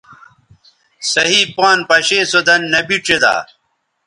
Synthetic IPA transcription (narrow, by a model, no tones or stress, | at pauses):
sɐɦiːpaːnpɐɕeːsod̪ɐnːɐbiʈ͡ʂed̪a̰ː